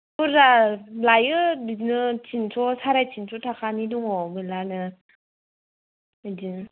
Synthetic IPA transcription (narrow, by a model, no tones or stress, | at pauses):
uɾalajɯinɯtʰinsʰɔsaɾajtʰinsʰɔtʰakʰaniduŋɔmɯlanɯ | din